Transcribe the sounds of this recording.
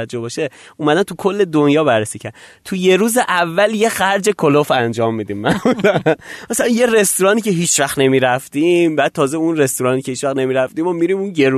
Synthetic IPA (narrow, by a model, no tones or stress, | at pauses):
æd͡ʒːohbɒːʃeʔuːmæd̪ænt̪ʰukʰo̞lːe̞d̪onjɒːbæɾːesiːcʰæɾt̪ʰuje̞ɾuːzeʔævːælje̞xæɾd͡ʒe̞kʰolofænd͡ʒɒːmːiːd̪iːmːænozæmæsælænje̞ɾe̞st̪oɾɒːniːcʰe̞ɦiːt͡ʃvæxne̞miːɾæft̪imbæːd̪̚t̪ʰɒːzeunre̞st̪oɾɒːniːcʰe̞hiːt͡ʃvæxne̞miɾæft̪iːmɒmiɾimunɟe̞ɾu